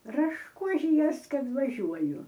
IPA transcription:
rɐʃˈkʊʒʲɪjuɔs ˈkɐt ʋɐˈʒʲuɔjʊ

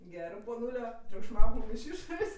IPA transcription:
ˈɡʲæːrɜ poːˈnuːlʲoː tʲrʲʊkʃˈmɐʊk mʊm ɪʃ ˈɪʃoːrʲeːsʲ

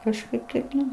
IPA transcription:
kɐʃˈkɐɪp tɐɪp ˈnʊ

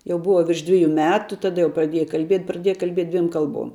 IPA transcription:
jɛʊ ˈbʊʋɐ ʋʲɪrʃ ˈdʲʋʲɪjʊ ˈmʲæːtʊ tɐˈdɐ jɛʊ prɐˈdʲiɛjɛ kɐlʲˈbʲiɛtʲ prɐˈdʲiɛjɛ kɐlʲˈbʲiɛtʲ ˈdʲʋʲiɛm ˈkɐlˠˌbuɔm

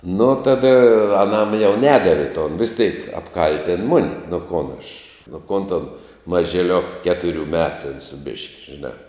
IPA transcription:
nʊ ˈtɑːdɐ ɐˈnɐm jɛʊ ˈnʲæːdɐʋʲɪ toːn ʋʲɪs ˈtʲeːk ɐpˈkɐlʲtʲɪn ˈmʊnʲɪ nʊ ˈkoːn ɐʃ nʊ ˈkoːn toːn mɐʒʲɪˈlʲoːk ˈkʲæːtʊˌrʲʊ ˈmʲæːtʊ tʲɛn sʊ bʲɪʃʲkʲ ʒʲɪˈnɑː

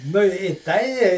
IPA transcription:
nʊ ɪ ˈtɐɪ

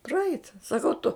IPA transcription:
prɐˈɛɪt sɐˈkɐʊ tʊ

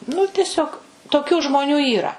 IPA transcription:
nʊ tʲɛˈsʲoːk toːˈkʲuː ʒmoːˈnʲuː iːˈrɐ

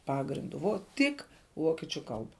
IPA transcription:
ˈpɑːɡrʲɪndʊ ʋoː ˈtʲɪk ˈʋoːkʲiɛt͡ʃʲʊ ˈkɐlˠbɐ

